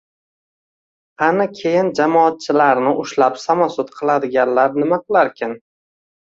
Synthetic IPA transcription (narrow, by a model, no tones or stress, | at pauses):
anɪkʲʰe̞jɪnd͡ʒamɒat̪̚t͡ʃʰɪlaɾnɪʔʊʃlapsamasʊt̪qʰɨlˠad̪ɪɡʲanlaɾnɪmaqɨlˠaɾkʲʰɪn